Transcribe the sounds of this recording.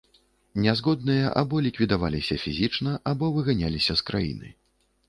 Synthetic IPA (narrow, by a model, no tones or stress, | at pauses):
nʲɛzɣɔd̪̚nɨjɐʔa̰bɔlʲikvʲid̪avalʲisʲɐfʲizʲit͡ʂnɐʔabɔvɨɣanʲalʲisʲɐskɾʔa̰jḭnɨ̰